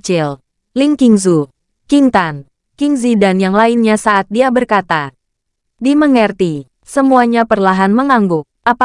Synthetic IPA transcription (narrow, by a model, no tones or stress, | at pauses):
t͡ʃɪl | lɪŋkiŋzu | kint̪an | kiŋzidanjaŋlaɪnɲasaʔat̪̚diabərkat̪a | diməŋɛrt̪i | səmuaɲapərlaɦanməŋaŋɡʊ | ʔapa